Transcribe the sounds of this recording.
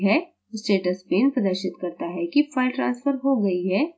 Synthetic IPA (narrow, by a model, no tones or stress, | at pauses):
ɦɛ | sʈeːʈəspeːnpɾɐd̪əʃɪt̪kɐɾt̪aɦɛkifaːɪlʈɾãːnsfəɾɦoɡɐiɦɛː